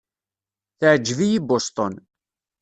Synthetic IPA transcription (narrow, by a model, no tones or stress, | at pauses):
θəʕd͡ʒːvijibost̪ˤon